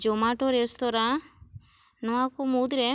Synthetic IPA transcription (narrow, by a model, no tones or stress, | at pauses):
d͡ʒomaʈoɾest̪ɔɾa | nɔãkomud̪ɾe